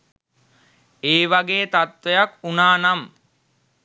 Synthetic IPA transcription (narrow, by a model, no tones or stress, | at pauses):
eːʋaɡeːt̪at̪ʋejakunaːnam